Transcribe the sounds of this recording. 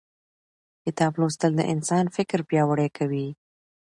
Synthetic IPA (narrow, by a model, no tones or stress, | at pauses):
kɪt̪ɑblost̪əld̪ə̰ʔɪnsɑnfɪkɾpjɑwəɽekʰawi